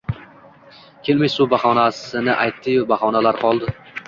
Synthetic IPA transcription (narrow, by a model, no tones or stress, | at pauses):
kʲʰe̞lmajsʊbahɒnasɪnɪʔajt̪ʰːɪjʊbahɒnalaɾqʰɒlˠd̪ɪ